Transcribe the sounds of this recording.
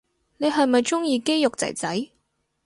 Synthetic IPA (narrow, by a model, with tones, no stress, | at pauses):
ne˨˧jɦɐ˨jmɐ˨jt͡ʃʊ˥ŋjiː˧ke˥jjʊ˨k̚t͡sɐ̰˨˩jt͡sɐ˨˥j